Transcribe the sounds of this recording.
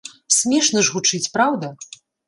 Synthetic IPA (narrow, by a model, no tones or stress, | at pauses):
sʲmʲɛʂnɐʐɣut͡ʂɨt͡sʲpɾawd̪ɐ